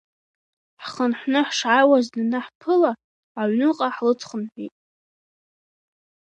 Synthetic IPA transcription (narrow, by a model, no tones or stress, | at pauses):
ħχənħʷnɨħʂʕawaznanɨħpʰɨlaː | ʕnɨqʼaħlɨt͡sʰχənħʷᶣḭtʼ